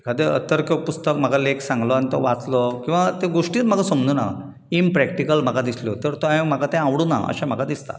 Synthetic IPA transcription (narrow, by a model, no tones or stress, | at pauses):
kʰəd̪eə̰t̪əɾkopust̪əkm̤əɡʱaleksãŋɡlɔañit̪o̰ʋat͡slɔkĩw̃ʋat̪ẽɡoʂʈiːt̪m̤əɡasəmd͡z̪una̰ | inpɾɛkʈikəlm̤əɡad̪isljot̪əɾt̪oãm̤əɡat̪ɛ̃ãʋɽuna̰ə̰ɕam̤əɡad̪ist̪a̰